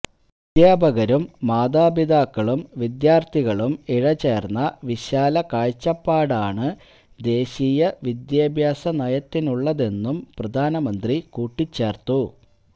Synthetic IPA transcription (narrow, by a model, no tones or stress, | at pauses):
id̪jaːbʱɐɣɐɾumːaːd̪aːbid̪aːkːɐɭumʋid̪jaːrt̪ʰiɣɐɭumiɻɐt͡ɕe̞ːrnːɐʋiɕaːlɐkaːɻt͡ɕːɐpːaːɽaːɳɨ | d̪e̞ːɕijɐʋid̪jaːbʱjaːsɐnɐjɐt̪ːinuɭːɐðe̞nːumprɐd̪ʱaːnɐmɐnd̪rikuːʈːit͡ɕːe̞ːrt̪ːu